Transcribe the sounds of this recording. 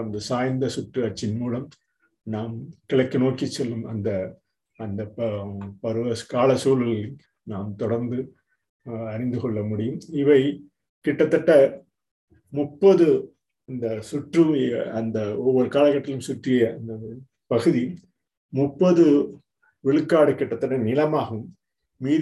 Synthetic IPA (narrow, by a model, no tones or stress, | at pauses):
ɐnd̪ɐsaːjnd̪ɐsʊʈrɯɐt͡ʃːɪnmuːlɐm | naːmkɪɭɐkːɯnoːkit͡ʃːɛlːɯmɐnd̪ɐː | nd̪ɐ | pɐɾɯʋɐkaːlɐsuːlɯl | naːmt̪ɔɽɐɾnd̪ɯ | ɐɾɪnd̪ɯkɔɭːɐmʊɽɪjɯmɪʋɐɪ | kɪʈːɐt̪ːɐʈːɐ | mʊpːɐðɯ | ɐnd̪ɐsʊʈrɯɐnd̪ɐɔʋːɔɾɯkaːlɐkːɐʈːɪlɯmsʊʈrɪjɐɐnd̪ɐ | pɐɣɯði | mʊpːɐðɯ | ʋɪɭɯkːaːɽɯkɪʈːɐt̪ːɐʈːɐnɪlɐmaːɣɯmː | iː